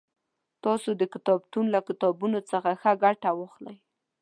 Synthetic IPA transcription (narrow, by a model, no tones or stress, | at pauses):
t̪ɑsod̪əkɪt̪ɑbt̪unlakɪt̪ɑbunot͡səxaxaɡaʈawoxlaj